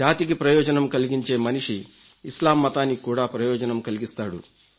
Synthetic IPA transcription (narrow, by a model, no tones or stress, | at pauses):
aːt̪ik̬ipɾɐjɔːd͡ʒɐnɐmkɐliɡiɲt͡ʃe̞ːmɐniʂiː | slaːmːɐt̪aːnːikuːɽaːpɾɐjɔːd͡ʒɐnɐmkɐliɡist̪aːɽṵ